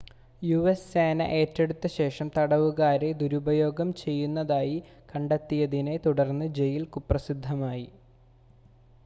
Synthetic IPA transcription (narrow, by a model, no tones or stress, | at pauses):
juʋeseːnɐ̰ʔe̞ːtːe̞ɽut̪ːɐɕe̞ːʂɐmt̪ɐɽɐʋuɣaːɾe̞d̪uɾubɐjo̞ːɡɐmt͡ɕe̞jːunːɐðaːji | kɐɳɖɐt̪ːijɐðine̞t̪uɽɐrnːɨd͡ʑe̞jilkupːrɐsid̪ʱːɐmaːji